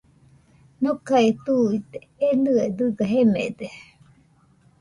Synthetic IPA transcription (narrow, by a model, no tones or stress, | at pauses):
nokait̪uit̪e̥enɯed̪ɨɡaɦemḛd̪e